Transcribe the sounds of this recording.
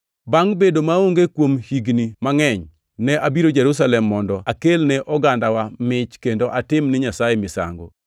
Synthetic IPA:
baŋbedomaoŋɡekwomhiɡnimaŋɛɲ | nɛʔabiɾod͡ʒɛɾus̬alɛmːɔndɔakelnɛʔɔɡandawamɪt͡ʃkendoʔatɪmnɪɲasajemɪsa̰ŋɡo̰

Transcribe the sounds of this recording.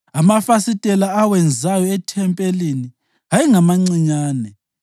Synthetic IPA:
amafasitʼɛlaːwɛnd͡zʱajɔɛtʰɛmpʼelini | aiŋamaŋ͡ǀiɲaːnɛ

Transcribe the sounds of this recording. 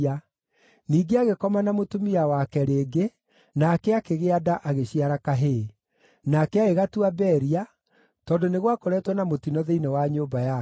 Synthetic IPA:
a | niːɡeaɣekɔmanamotomiawakɛɾeːɡe | nakɛakeɣeadaʔaɣeɕiaɾakaɦe | nakɛaeɣatuabɛːɾia | tɔːndoneɣwakoɾɛtwɔnamotinɔðeinewaɲoːbaja

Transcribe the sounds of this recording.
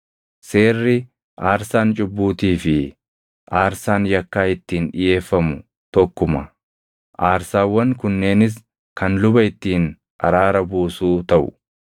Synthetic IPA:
se̞ːrːɪ | ʔaːɾsaːnt͡ʃʼʊbːuːt̪iːfɪ | ʔaːɾsaːnjɐkːaːɪt̪ːiːnᶑɪje̞ːfːɐmʊ | t̪ɔkːʊmɐ | ʔaːɾsaːwːɐŋkʊnːe̞ːnɪs̬ | kʰɐnlʊbɐɪt̪ːiːn | ʔɐ̰ɾaːɾɐbuːsuːt̪ɐʔʊ̰

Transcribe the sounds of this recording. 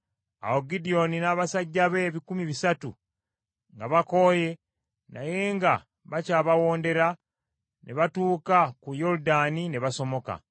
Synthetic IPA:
a̰oɡidio̞ninaːβasaɟːaβe̞ːβikumiβisatu | ŋɡaβako̞je̞ | na̰je̞ːŋɡa | βacaːβawo̞ːnde̞ɾa | nʔeβatuːkakujo̞ɾudanine̞βaso̞mo̞ka̰

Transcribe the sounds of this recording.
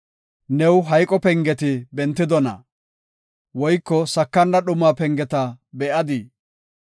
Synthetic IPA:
nɛwɦɐjkʼɔpɛŋɡɛt̪ɪbɛnt̪ːɪd̪ɔnɐ̰ | wɔjkːɔsɐkːɐndɐɗʊmːaːpɛŋɡɛt̪ɐbɛʔɐd̪ɪ

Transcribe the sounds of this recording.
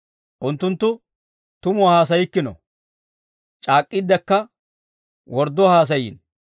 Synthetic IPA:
ʔʊnt̪ːʊnt̪ːʊ | t̪ʊmʊahaːs̬ɐjɪkːɪnɔ̰ | t͡ʃʼaːkʼːɪd̪ːɛkːɐ | wɔɾd̪ːɔhaːs̬ɐjɪ̰n

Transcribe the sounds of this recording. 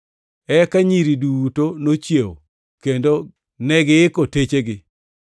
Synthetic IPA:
ɛkaɲiɾidutonot͡ʃjewo̰ | kendo | nɛɡɪɪkotet͡ʃeɡɪ

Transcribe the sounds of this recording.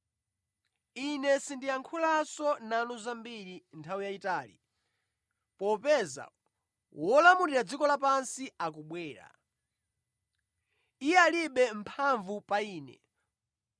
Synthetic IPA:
inɛsindijaŋkʰulasɔnanuzambiɾintʰawijaitaːlḭ | pɔpɛza̰ | wɔlamuɾiɾad͡zikɔlapansiak̬uɓwɛːɾa̰ | ijɛaliɓɛmpʰaɱvupaiːnɛ̰

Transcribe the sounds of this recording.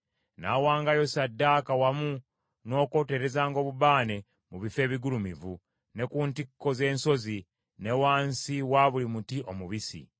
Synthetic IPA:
na̰ːwaːŋɡajo̞sadːaːkawamu | no̞ːko̞te̞ɾe̞zaːŋɡo̞ːβuβaːne̞ | muβife̞ːβiɡulumivṵ | ne̞kuːntikːo̞ze̞ːnso̞zi | ne̞waːnsiwaβulimutiʔomuβisḭ

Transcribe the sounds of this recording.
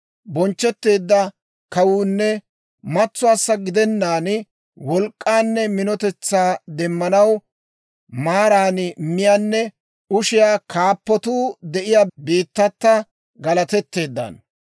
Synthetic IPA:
bɔnt͡ʃːɛt̪ːe̞ːd̪ːɐ | kɐwuːnːɛ | mɐt͡sːʊaːsːɐɡɪd̪ɛnːaːn | wɔlkʼːaːnːɛmɪnɔt̪ɛt͡sːaːd̪ɛmːɐnɐw | maːɾaːnmɪjaːnːɛ | ʊʃɪjaːkʰaːpːɔt̪uːd̪ɛʔɪjabiːt̪ːɐt̪ːɐ | ɡɐlɐt̪ɛt̪ːe̞ːd̪ːɐ̰n

